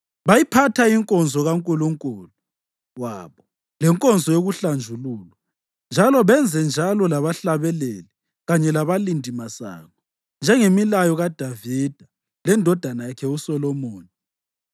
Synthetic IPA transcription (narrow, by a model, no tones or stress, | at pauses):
βajipʰatʰaiŋkʼɔnzʱɔɣaŋkʼuluŋkʼuːlu | waːβɔ | lɛŋkʼɔnzʱɔjoɣuɬand͡ʒʱuluːlwa | nd͡ʒʱalɔβɛnd͡zʱɛnd͡ʒʱalɔlaβaɬaβɛleli | ɣaɲɛlaβalindʱimasa̰ːŋɔ | nd͡ʒʱɛŋemilajɔɣad̥ʱavid̥ʱa | lɛndʱɔd̥ʱanajakʰɛusɔlɔmoːni